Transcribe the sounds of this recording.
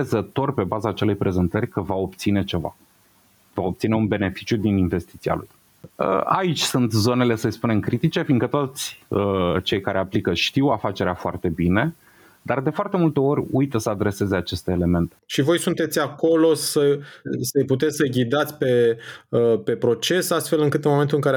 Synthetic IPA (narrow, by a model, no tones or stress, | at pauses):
ezət̪o̞rʲpe̞bazaːt͡ʃe̞le̞jpɾe̞ze̞nt̪ərʲkəvao̞p̚t̪sine̞t͡ʃe̞va̰ | vao̞p̚t̪sine̞unbe̞ne̞fi̥t͡ʃjud̪iniɱve̞st̪it̪sia̰lṵj̰ | a̰it͡ʃʲsunt̪zo̞ne̞le̞səlspune̞mkɾit̪it͡ʃe̞finɡ̪kət̪o̞t̪sʲət͡ʃe̞jkaɾe̞aplikəʃt̪iwafat͡ʃe̞ɾeafoa̰rt̪e̞bine̞ | d̪ard̪e̞foart̪emult̪e̞o̞ɾʲujt̪əsəad̪ɾe̞se̞zeat͡ʃe̞st̪e̞ːle̞me̞nt̪e̞̥ʃivo̞jsunt̪e̞t̪sʲako̞lo̞səsəjput̪̬e̞tsʲsəɡʲid̪at̪sʲpe̞ | pe̞pɾo̞t͡ʃe̞sast̪fe̞lɨŋkɨt̪ɨnmoment̪uɨŋkaɾe